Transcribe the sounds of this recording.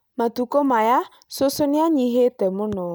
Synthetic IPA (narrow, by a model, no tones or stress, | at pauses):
matukɔmaja | sosoniaɲiɦetɛmʊnɔ